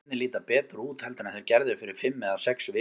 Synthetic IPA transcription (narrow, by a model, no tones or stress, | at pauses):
nɪliːt̪apɛːt̪ɾuːt̪hɛlt̪ɪnaθeɪɾcɛɾðɪfɪɾɪɾ̥fɪmːɛðasɛksvɪ